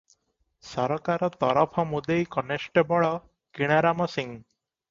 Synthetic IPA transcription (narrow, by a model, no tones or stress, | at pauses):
sɔɾɔkaɾɔt̪ɔɾɔpʰɔmud̪ejkɔnesʈebɔɭɔ | kiɽ̃aɾamɔsiŋ